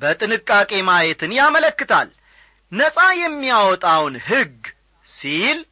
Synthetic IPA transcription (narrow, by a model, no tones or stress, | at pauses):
bət̪ʼɨnɨkʼːakʼe̞majet̪ʰɨnjamələkːɨt̪ʰa̰l | nəsʼajɛmːijawɔt̪ʼawnɦɨɡ | sil